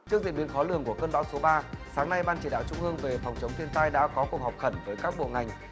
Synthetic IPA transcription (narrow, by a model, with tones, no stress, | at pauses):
t͡ɕɨ˦˥ək̚zḭ˧˨ɓi˨˦nfɔ˨˦lɨ˧˩əŋku˧˩əkəː˧nɓa̰ː˧˥wso˨˦ɓaː˧saː˨˦ŋna˧jɓaː˧nt͡ɕi˧˩ɗa̰ː˧˨wt͡ɕʊ˧ŋ͡mʔɨ˧əŋve˨˩fɔ˨˩wŋ͡mt͡ɕə˨˦wŋ͡mt̪ʰi˧ənt̪aː˧jɗa̰ː˧˥kɔ˨˦ku˨˩ək̚ɦɔ˨˩wk͡p̚xə˧˩nvəː˨˦jkaː˦˥k̚ɓo̰˧˨ŋa˨˩jŋ̟